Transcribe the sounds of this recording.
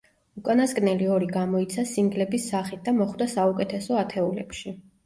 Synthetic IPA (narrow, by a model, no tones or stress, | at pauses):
ukʼanaskʼnɛliɔɾiɡamɔit̪sʰasiŋɡlɛbisːaχit̪̚d̪amɔχwd̪asaukʼɛt̪ʰɛsɔat̪ʰɛulɛ̰pʃi